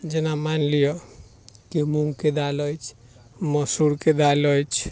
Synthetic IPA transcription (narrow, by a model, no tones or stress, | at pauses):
d͡ʒenamanlijɔ | kemuŋɡked̪alɔt͡ʃʰ | mɔsuɾked̪alɔjt͡ʃʰ